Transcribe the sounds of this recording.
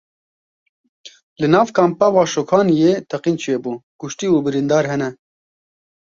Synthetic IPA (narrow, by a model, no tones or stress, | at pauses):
lɨnɑːvkʰɑːmpɛvɑːʃokʰɑːnjeːt̪ʰɛqiːnt͡ʃʰeːbuːkʊʃt̪iːuːbɨɾind̪ɑːɾɦɛnɛ